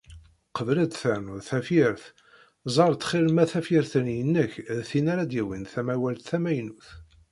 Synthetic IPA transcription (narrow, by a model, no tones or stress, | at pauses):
qəvləd̪θæɾnuðθæfɪɾθ | zˤɑɾˤt̪ːχɪlmæθæfiɾθənjənːəçðθinaɾæd̪jiwinθæmæwælt̪θæmæjnuθ